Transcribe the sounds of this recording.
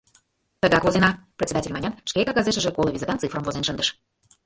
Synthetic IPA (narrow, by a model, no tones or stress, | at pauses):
t̪əɣɑkvozenɑpɾʲɪtt͡sʲed̪atʲelʲmɑnʲɑt̪ʃkekɑɣɑzeʃəʒĕkolˠəvizʲet̪ɑnt̪t͡sɨfrəmvozenʃənd̪ə̥̆ʃ